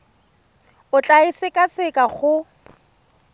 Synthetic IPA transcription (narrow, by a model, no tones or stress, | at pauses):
ʊt͡ɬʼaisɪkʼasɪkʼaχʊ